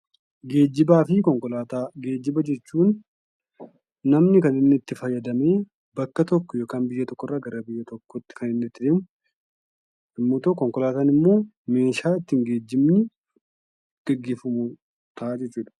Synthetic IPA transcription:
ɡe̞ːd͡ʒːɪbaːfɪkɔŋkɔlaːt̪aːɡe̞ːd͡ʒːɪbɐd͡ʒɛt͡ʃːuːn | nɐmnɪkɐnɪnːɪɪt̪ːɪfɐjːɐd̪ɐme̞ː | bɐkːɐt̪ɔkːɔjo̞ːkaːnbɪjːɐt̪ɔkːɔrːaːɡɐɾɐbɪjːɐt̪ɔkːɔt̪ːɪ̥kɐnɪnːɪt̪ːɪd̪eːmʊ | ʔɪmːoːt̪oːkɔŋkɔlaːt̪ɐːnɪmːo̞ː | me̞ːʃaːɪt̪ːɪŋɡe̞ːd͡ʒːɪmnɪ | ɡ̥ɛɡːeːfɐmu | t̪ʰɐaːd͡ʒɛt͡ʃːuːᶑɐ̥

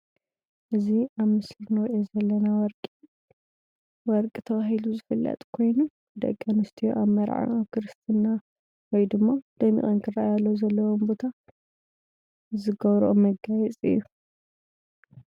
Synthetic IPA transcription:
ʔɨziaβmɨsɨɾnɨwʔezɐlːɐnawɐɾkʼ | wɔɾkʼit̪ʰɐβaɦiluzɨfɨlːɐ̰t̪ʼkʰo̞jnu | d̪ɐ̰kʼːanɨst̪ʰijo̰ʔaβmɐɾʕa̰aβkɨɾɨst̪ʰɨnːa | wɔjd̪ɨmːad̪̥ɐmḭχʼɐnkʰɨraʔjalːɐzɐlːɐwombo̞t̪ʰa | zɨɡɐβɾʔo̰mɐɡajɛt͡sʼɨ̰jːu

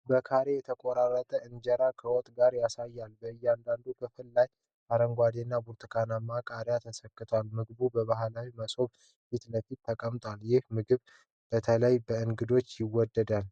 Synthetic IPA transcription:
bəkʰaɾe̞jɛt̪ʰəkʼoɾarət̪ʼəʔɨnd͡ʒəɾakʰəwɔt̪ʼɡaɾjasajːalbəɨjːand̪and̪ukʰɨfɨlːaj | aɾəŋɡʷad̪enːabuɾt̪ʰɨkʰanamːakʼaɾjat̪ʰəsəkːɨt̪ʰəwalmɨɡɨbubəβaɦlawiməsʼo̞β | fit̪ləfit̪ʰːəkʼəmt̪ʼwaljɪhmɨɡɨβ | b̥ət̪ʰələjbəɨŋɡɨd̪o̞t͡ʃːjɪwːɔd̪ːəd̪al

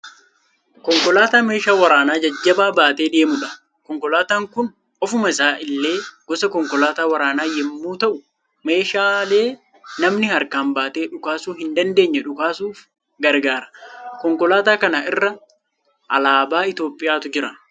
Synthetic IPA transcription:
kɔŋkɔlaːt̪aːme̞ːʃaːwɐɾaːnaːd͡ʒɐd͡ʒːɐbaːbaːt̪e̞ːd̪eːmʊᶑɐ̥ | kɔŋkɔlaːt̪aːŋkʊn | ɔfʊmɐɪsaːʔɪlːe̞ːɡ̥ɔsɐkɔŋkɔlaːt̪aːwɐɾaːnaːjɛmːuːt̪ɐʔʊ | me̞ːʃaːle̞ː | nɐmnɪhɐɾkaːmbaːt̪e̞ːᶑʊkaːsuːhɪnd̪ɐnd̪e̞ːɲːɛᶑʊkaːsuːf | ɡɐɾɡaːɾɐ̥kɔŋkɔlaːt̪aːkɐnɐʔɪrːɐ | ʔɐ̰laːbaːɪt̪jo̞ːpʼːɪjaːt̪ʊd͡ʒɪɾɐ

